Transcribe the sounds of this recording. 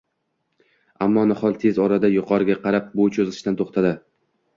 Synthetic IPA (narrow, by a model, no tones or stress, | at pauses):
amːɒnɪχɒlˠt̪ʰe̞zɒɾad̪ajʊqʰɒɾɪɡʲaqʰɑɾap̚bot͡ʃʰozɪlɪʃt̪ant̪ʰoχt̪ʰad̪ɪ